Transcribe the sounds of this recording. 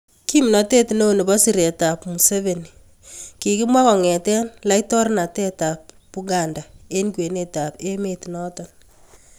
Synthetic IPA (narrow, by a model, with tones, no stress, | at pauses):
ki˦m˨nɔ˨te˦tino˦˨nɪ˨bɔ˦si˦˨ɾe˨ta˨pmu˨se˦βe˨ni | ki˨kɪ˦mwa˦kɔ˨ŋɛ˨tɛ˦nla˦itɔ˦ɾna˨te˦ta˨p̚ːu˦ɡa˨nda˨e˦nkwe˨ne˦ta˨pe˦me˨tinɔ˦tɔ˨n